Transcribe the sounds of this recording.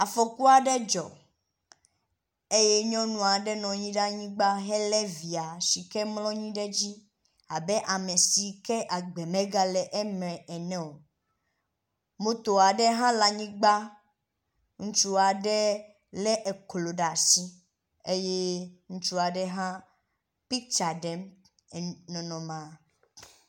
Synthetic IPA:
a˨fɔ˨ku˦a˨ɖɛ˦d͡ʒɔ̰˨ | e˦je˦ɲɔ̃˦nũ˨a˨ɖɛ˦nɔ̃˨ɲĩ˦ɖa˦ɲĩ˦ɡ͡ba˦ɦɛ˦lɛ˦vi˨a˨si˨kɛ˦mlɔ̃˦ɲĩ˦ɖɛ˦d͡ʑi˦ | a̰˨bɛ˦ʔa˨mẽ˨si˨kɛ˦ʔa˨ɡ͡bɛ˨mɛ̃˦ɡa˦lɛ˨ʔɛ˦mɛ̃˨ɛ˨nɛ̃˦o˨ | mõ˦t̪o˨a˨ɖɛ˦ɦã˦la˨ɲĩ˦ɡ͡ba˦ | ŋũ˦t͡ʃu˦a˨ɖɛ˦ | lɛ˦ʔe˨klo˨ɖa˨si˦ | e˦je˦ŋũ˦t͡ʃu˦a˨ɖɛ˦ɦã˦ | pi˦k̚t͡ʃa˨ɖɛ˦m˨ | nɔ̃˨nɔ̃˨mã˨

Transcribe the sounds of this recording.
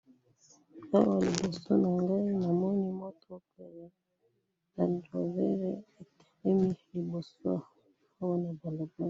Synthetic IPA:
a˦wa˨li˨bo˨so̰˦na˨ŋɡa˦i˦na˨mɔ˦ni˦mɔ˦tɔ˦pɛ˨ɾɛ˨ | na˨ndɾo˨vɛ˦ɾɛ˦e˨te̥˨ɾɛ˦mi˦li˨bo˨so˦ | a˦wa˦na˨ba˨lo˨ba˦˨

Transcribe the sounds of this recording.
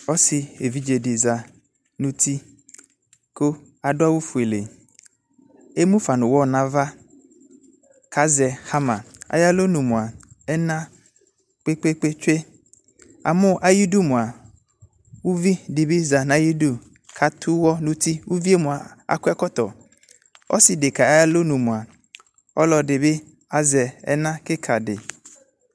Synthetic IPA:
ɔ˦sɪ˨e˨vi˦d͡ʒe˨dɪ˨za˨ | nũ˦t̪ʰi˦ | ko˦ | a˨dʊ˦a˦wu˦fu˨e˨le˨ | e˦mũ˦fa˨nʊ̃˨wɔ˦˨nã˦va˦ | kʰa˦zɛ˨ha˦mã̰˨a̰˨ja˦lo˦nũ˨mʊ̃˨a˨ɛ˦nã˦ | k͡pe˦k͡pe˦k͡pe˦t͡ʃᶣe˦ | a̰˨mʊ̃˦ʔa˨ji˦du˦mʊ̃˨a˨ | wu˦vi˦dɪ˨bɪ˦za˨nã˨˦ji˦du˦ | kʰa˨tʰʊ˦wɔ˦nʊ̃˦ti˦wu˦vi˦e˦mʊ̃˨a˨a̰˨kʊ˦ɛ˦kɔ˦tɔ̰˨ | ɔ̰˦sɪ˨de˨ka˨a˦ja˦lo˦nũ˨mʊ̃˨a˨ | ɔ˦lɔ˨dɪ˨bɪ˦ | a˨zɛ˨ɛ̰˦nã˦kɪ˦kʰa˨dɪ̰˨

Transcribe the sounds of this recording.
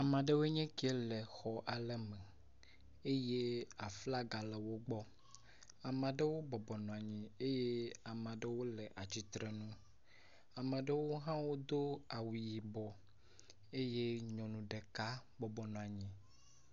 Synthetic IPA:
a˨mã˨ɖe˦wo˦ɲɛ̃˦ki˦e˦lɛ˨xɔ˨ʔa˨lɛ˦mɛ̃˨ | e˦je˦a˨fla˦ɡa˨lɛ˨wo˦ɡ͡bɔ˦ | a˨mã˨ɖe˦wo˦bɔ˨bɔ˨nɔ̃˨a˨ɲĩ˨e˦je˦a˨mã˨ɖe˦wo˦lɛ˨ʔa˨d͡ʑi˨t̪ɾɛ˨nũ˦ | a˨mã˨ɖe˦wo˦ɦã˦wo˦d̪o˦a˨wi˨ji˨bɔ˨ | e˦je˦ɲɔ̃˨nũ˨ɖe˨ka˦ | bɔ˨bɔ˨nɔ̃˨a˨ɲĩ˨

